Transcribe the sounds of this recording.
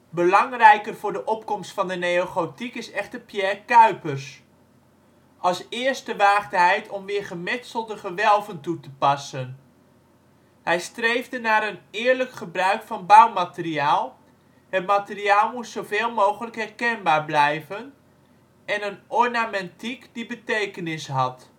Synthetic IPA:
bəlɑŋrɛjkərvʊːɹdəʔɔp̚kɔmstfɑndənejoχotikɪsɛχtəpjɛrkœɥpərs | ʔɑlˠsɪːɹstəʋaːχdɦɛjtʰɔmʋɪːɹχəmɪsəlˠdəχəʋɛlˠvəntutəpɑsən | hɛjstrejvdənaːɾənɪːɹləkχəbrœɥkfɑnbɑwmatɪriaːlˠ | ɦət̚matɪriaːlˠmutsowveːlˠmowχələkɦɛrkɛnbaːɹblɛjvən | ɛnənɔɹnamɛntikdibətejkənɪsɦɑt

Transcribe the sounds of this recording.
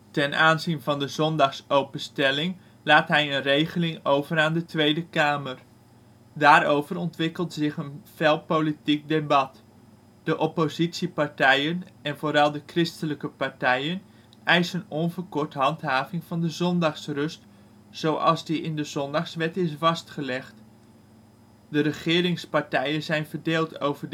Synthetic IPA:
tɛnʔaːnzinvɑndəzɔndɑχsowpənstɛlɪŋ | laːtɦɛjənrejχəlɪŋowvəɾaːndətʋejdəkaːmər | daːɾowvəɾɔntʋɪkəlˠtzɪχənfɛlˠpolitik̚debɑt | d̥əʔɔpozitsipaɹtɛjənɛnvoːɾɑlˠdəkrɪstələkəpaɹtɛjən | ʔɛjsənɔnvərkɔɹtɦɑntɦaːvɪŋv̥ɑndəzɔndɑχsrɵst | z̥owʔɑ̰lˠzdiʔɪndəzɔndɑχsʋɛtɪsvɑstχəlɛχt | dərəχɪːɾɪŋspaɹtɛjənzɛjnvərdeːlˠtʰowvər

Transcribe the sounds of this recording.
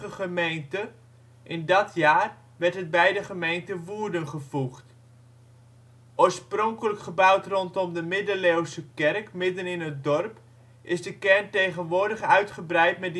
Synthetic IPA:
əχəmejntə | ʔɪndɑtjaːr | ʋɛrɹtɦət̚bɛjdəχəmejntəʋuːrdənχəvuχt | oːɹsprɔŋkələkχəbʌwtrɔntɔmdəmɪdəlewsəkɛrkmɪdənɪnɦət̚dɔrp | ʔɪzdəkɛrntejχənʋʊːɹdəχœɥtχəbrɛjtmɛt̚d

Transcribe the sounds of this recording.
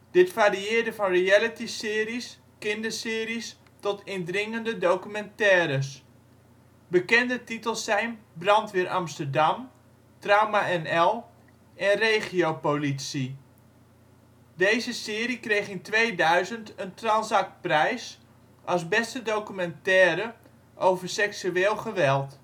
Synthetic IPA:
d̥ɪtfariɪːərdəvɑnriɛlətisɪːris | kɪndəsɪːɾis | tɔtʰɪndrɪŋəndədowkymɛntɛːɾəs | bəkɛndətitəlˠsɛjnbrɑntʋɪɾʔɑ̰mstərdɑm | trawmaɛnɛlˠ | ɛnrejχiowpolitsi | dejzəsɪːɾikrejχɪntʋejdœɥzəntəntransɑk̚t̚prɛjs | ʔɑsbɛstədowkymɛntɛːɾə | ʔowvərsɛksyeːlˠχəʋɛlˠt

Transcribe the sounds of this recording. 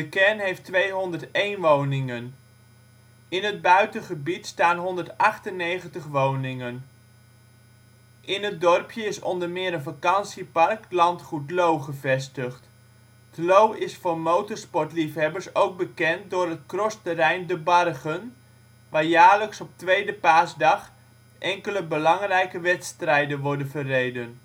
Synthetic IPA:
dəkɛɹnɦejftʋejɦɔndəɹtejnʋownɪŋən | ɪnɦəd̚bœɥtəχəbitstaːnɦɔndəɹtɑχtənejχəntəχʋownɪŋən | ʔɪnɦəd̚dɔrpjəɪsɔ̰ndəɹmɪːɾənvakɑnsipɑrklɑntχutlowχəvɛstəχt | tlowɪsfʊːɹmowtəɹspɔɹtlifɦɛbəɹsowɡ̚bəkɛnt̚dʊːrətkrɔstərɛjndəbɑrχən | ʋaːɹjaːɹləksɔp̚tʋejdəpaːsdɑχ | ʔɛŋkələbəlɑŋrɛjkəʋɛtstrɛjdənʋɔɹdənvərejdən

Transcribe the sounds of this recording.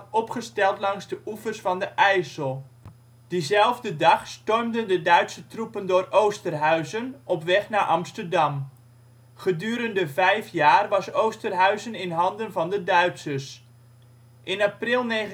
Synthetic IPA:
ɔpχəstɛlˠtlɑŋzdəʔufərsfɑndəʔɛjsəlˠ | d̥izɛlˠvdədɑχstɔrmdəndədœɥtsətrupəndʊːrowstərɦœɥzənʔɔpʋɛχnaːʔɑmstərdɑm | χədyːɾəndəvɛjfjaːrʋɑsowstərɦœɥzənɪnɦɑndənvɑndədœɥtsəs | ʔɪnaprɪlˠnejχə

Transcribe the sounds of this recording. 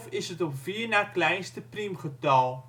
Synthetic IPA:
fəsətɔpviːrnaːklɛjnstəprimχətɑːlˠ

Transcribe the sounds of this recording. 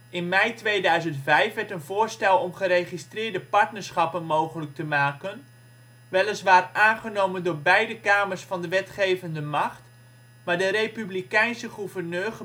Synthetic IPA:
ɪnmɛjtʋejdœɥzəntfɛjfʋɛɹtənvoːɹstɛlˠɔmχəɾejχistrɪːɹdəpɑɹtnəɹsχɑpənmowχələk̚təmaːkən | ʋɛlˠəsʋaːrʔaːnχənowməndʊːɹbɛjdəkaːməɹsfɑndəʋɛtχejvəndəmɑχt | maːɹdəɾejpyblikɛjnsəχuvərnøːχə

